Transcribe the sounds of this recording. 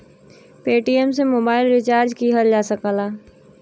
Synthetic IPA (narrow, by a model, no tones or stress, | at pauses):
peːʈijɛms̬emoːbaːɪlɾɪt͡ʃaːɾd͡ʒkiɦəld͡ʒaːsəkaːlaː